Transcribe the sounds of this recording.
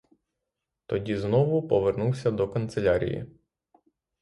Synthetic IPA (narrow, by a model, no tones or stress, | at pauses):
t̪ɔdʲiznɔʋʊpɔʋernuwsʲɐd̪ɔkɐnt̪selʲaɾʲḭjḭ